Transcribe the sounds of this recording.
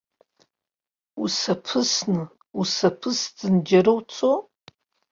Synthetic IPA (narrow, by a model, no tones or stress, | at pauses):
usɐpʰɨsnɨ | usɐpʰɨsd͡zɨnd͡ʒɐɾɐwt͡sʰʼo